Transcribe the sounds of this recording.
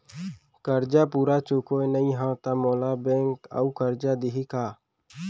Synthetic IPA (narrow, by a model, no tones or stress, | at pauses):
kəɾd͡ʒapuːɾat͡ʃokonəĩɦãt̪amɔːlabɛ̃ːŋka̰ukəɾd͡ʒad̪ɪɦikaː